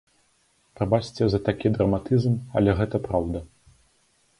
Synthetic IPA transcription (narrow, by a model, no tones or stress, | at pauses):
pɾɐbat͡ʂt͡sʲɛzɐt̪akʲid̪ɾɐmat̪ɨzmɐ̰lʲɛɣɛt̪ɐpɾawd̪ɐ